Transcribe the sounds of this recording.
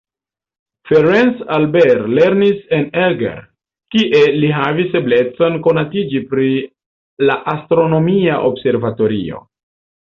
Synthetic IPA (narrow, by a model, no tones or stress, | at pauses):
feɾensalbeɾle̞ɾnise̞nelɡḛɾ | kiʔe̞liɦavisːe̞ble̞t͡so̞nko̞natid͡ʒipɾi | laʔastɾo̞no̞miaʔobse̞ɾvato̞ɾḭo̞̰